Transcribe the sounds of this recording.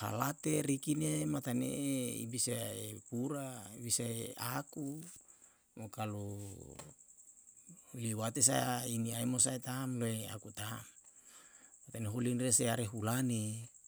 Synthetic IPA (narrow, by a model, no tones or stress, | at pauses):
ha̰lat̪eɾikinemat̪anḛḭbisaepuɾabisaeaku | mokalu | liwat̪es̬ajainiaimos̬aet̪amloea̰kut̪amː | at̪aneɦolinreseaɾeɦulane